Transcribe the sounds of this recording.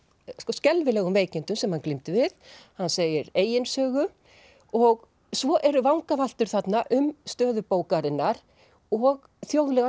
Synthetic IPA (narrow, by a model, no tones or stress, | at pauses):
skɔscɛlvɪlɛːɣʏmveːjcɪnt̪ʏmsɛmhanklimt̪ɪvɪðhanːseːjɪɾeːjɪnsœːɣʏ | ɔɣ | svɔʔɛɾʏvawŋkaval̥t̪ʏɾ̥θat̪naʔʏmst̪œːðʏpoːwkaɾɪnːaɾ̥ | ɔɣ | θjowɣlɛɣa